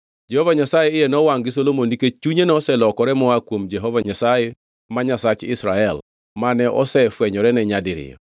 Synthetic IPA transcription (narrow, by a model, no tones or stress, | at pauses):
d͡ʒɛhovaɲasajeɪjenɔwaŋɡɪsolomoniket͡ʃuɲenɔsɛlɔkɔɾɛmɔakwomd͡ʒɛɦovaɲasaje | maɲasat͡ʃɪ̰sɾaɛl | manɛʔɔ̰sɛfwɛɲɔɾɛnɛɲadɪɾɪ̰ɔ̰